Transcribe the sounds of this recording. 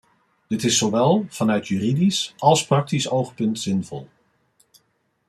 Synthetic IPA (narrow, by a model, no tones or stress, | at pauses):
d̥ɪtɪsːoʋɛlˠv̥ɑnœɥtjyːridisɑlˠsprɑk̚tisowχpɵntz̥ɪnvɔ̰lˠ